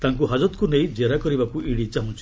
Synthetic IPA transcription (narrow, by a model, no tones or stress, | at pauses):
t̪aŋkuɦad͡ʒɔt̪kunej̃d͡ʒeɾakɔɾibakuʔiɽit͡ʃaɦũt͡ʃʰi̥